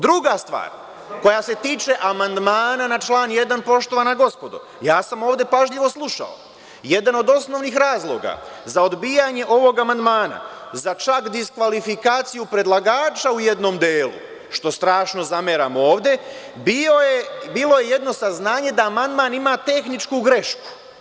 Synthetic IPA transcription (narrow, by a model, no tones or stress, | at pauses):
d̪ɾuɡast̪ʋa̰ːɾ | ko̞jase̞t̪iːt͡ʃe̞ʔamand̪maːnanat͡ʃlˠaːnje̞d̪anpo̞ʃt̪o̞ʋanaɡo̞spo̞d̪o̰ | jaːsamoːʋd̪e̞paʒʎiʋo̞slˠuʃa̰o̰ | je̞d̪ano̞d̪o̞sno̞ʋnixɾaːzlˠo̞̰ɡa̰zao̞d̪biːjaɲe̞ʔo̞ʋo̞ɡamand̪maːna̰zat͡ʃakd̪iskʋalifikaːt̪sijupɾe̞d̪lˠaɡaːt͡ʃauje̞d̪no̞md̪eːlṵ | ʃt̪o̞st̪ɾaːʃno̞zameɾamo̞ːʋd̪e̞ | biojebiːlˠo̞je̞je̞d̪no̞saznaːɲe̞d̪aːmand̪maːnimaːt̪e̞xnit͡ʃkuɡɾe̞ʃku̥